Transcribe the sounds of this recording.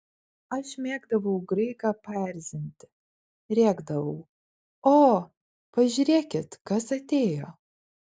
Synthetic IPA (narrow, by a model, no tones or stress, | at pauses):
ɐʃmʲeːɡd̪ɐʋɐʊɡɾɐɪkɑpʲæɾʲzʲɪnʲt̪ʲɪ | ɾʲeːɡd̪ɐʋɐʊ | oː | pɐʒʲyɾʲeːkʲɪt̪kɐsɐt̪ʲeːjoː